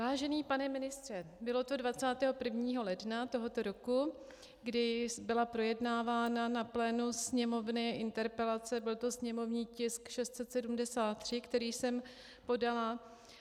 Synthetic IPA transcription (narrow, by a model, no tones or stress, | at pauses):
vaːʒɛniːpanɛmɪnɪst̪r̥ɛbɪlo̞t̪o̞dvat͡saːt̪ɛːɦo̞pr̩vɲiːɦo̞lɛdnat̪o̞ɦo̞t̪o̞ɾo̞ku | ɡdɪbɪlapɾo̞jɛdnaːvaːnanaplɛːnusɲɛmo̞vnɪʔɪnt̪ɛɾpɛlat͡sɛbɪlt̪o̞sɲɛmo̞vɲiːcɪskʃɛst̪sɛt̪sɛdumdɛsaːt̪̚ːr̝̥ɪkt̪ɛɾiːsɛm | po̞dala